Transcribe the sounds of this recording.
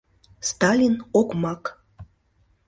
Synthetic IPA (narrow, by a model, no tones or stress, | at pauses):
st̪ɑlʲinokmɑk